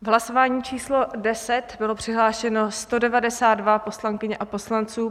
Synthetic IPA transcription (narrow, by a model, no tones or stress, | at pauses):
vɦlaso̞vaːɲiːt͡ʃiːslo̞dɛsɛt̪bɪlo̞pr̝̥ɪɦlaːʃɛno̞st̪o̞dɛvadɛsaːd̪̚dvapo̞slaŋkɪɲɛʔapo̞slant͡suː